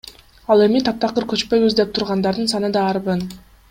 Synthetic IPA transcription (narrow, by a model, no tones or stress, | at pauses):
ɑlˠe̞mit̪ʰɑp̚t̪ɑqɯɾkø̞t͡ʃpø̞jβyzd̪e̞p̚t̪ʰuɾʁɑnd̪ɑɾd̪ɯnsɑnɯd̪ɑːɾβɯn